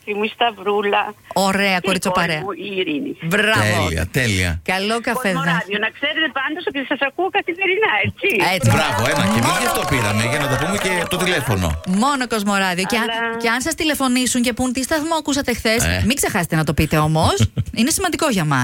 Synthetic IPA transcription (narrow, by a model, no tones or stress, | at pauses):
imuist̪ɐvɾulɐo̞ɾe̞ɐkoɾit͡sopɐɾeɐiɾinibɾɐevlḭɐ̰t̪elḭɐ̰kɐlokɐfezðeðionɐkseɾet̪epɐnd̪osot̪isɐsɐkuokɐθimeɾinɐet͡siet͡sibɾɐvoemɐ̰cevizjɐft̪opiɾɐmeʝɐnɐt̪ɐpumece̞t̪o̞t̪ilefo̞no̰mo̞noko̞zmo̞ɾɐðioceɐceɐnsɐst̪ile̞fo̞nisuɲce̞punt̪ist̪ɐθmoɐkusɐt̪exθesmiɡze̞xɐset̪e̞nɐt̪o̞pit̪e̞o̞mo̞sine̞simɐnd̪iko̞ʝɐmɐs